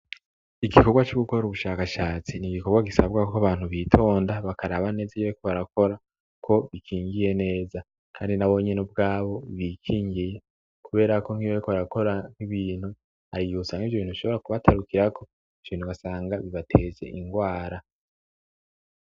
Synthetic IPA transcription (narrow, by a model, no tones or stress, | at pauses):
iɡikoɡwat͡ʃuɡuko̞ɾuβuʃaːkaʃaːt͡siniɡiko̞ɡwaɡisabɡakokaβaːn̥huβiːtʰo̞ːndaβakaɾaβane̞ːzijokoβaɾako̞ɾa | kʰo̞βikʰiːŋɡije̞ne̞ːza | kʰa̰ːndinaβo̞ɲenub̚ɡaːβo̞βiːkʰiːŋɡije̞ | kuβe̞ːɾako̞ŋ̥iβokoβaɾako̞ɾaŋ̥iβiːn̥hu | haɾiiusaːŋiːvjoβiːnhuβiʃo̞βo̞ɾakuβatʰaɾukiɾakʰo̞ | iv̥joiːnhuβasaːŋɡaβiβatʰe̞ːze̞̰ʔiŋɡwaːɾa